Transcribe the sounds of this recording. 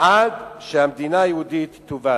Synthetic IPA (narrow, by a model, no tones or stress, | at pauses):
ʔad̪ʃəhamd̪inajɛud̪it̪ːuva